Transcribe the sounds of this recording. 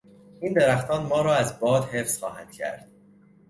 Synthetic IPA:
iːnd̪eɾæxt̪ʰɒːnmɒːɾɒːæzbɒːd̪hefsxɒ̰ːhæ̰nd̪̥cʰæ̰ɾd̪̥̚

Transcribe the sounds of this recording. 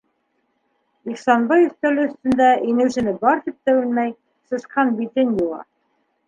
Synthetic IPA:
iχsɑnbɑjɵ̆θt̪ælɘɵ̆θt̪ɵ̆nd̪æʔinɘ̆wʃɘ̆nɘbɑɾt̪ip̚t̪ɘ̆wɘlmæj | sɤ̆sqɑnbit̪ɘnjulˠɑ̰

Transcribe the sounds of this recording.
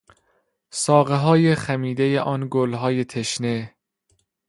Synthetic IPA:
sɒːɣeɦɒːjeχæmiːd̪ejeʔɒːnɡolɦɒːjet̪ʰeʃne

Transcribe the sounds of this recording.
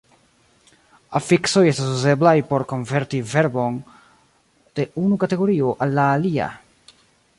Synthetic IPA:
afikso̞jestasuze̞blajpo̞ɾko̞nve̞ɾtive̞ɾbo̞n | d̥e̞ʔunukate̞ɡo̞ɾioʔalːaːlia̰

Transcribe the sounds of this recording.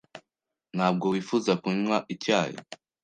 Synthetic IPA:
n̥haːb̚ɡo̞wiːfuzakuɲwaʔicaːjḭ

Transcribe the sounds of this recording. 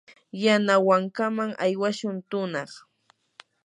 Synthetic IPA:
janawaŋkamaŋajwaʃʊnt̪ʊnɑχ

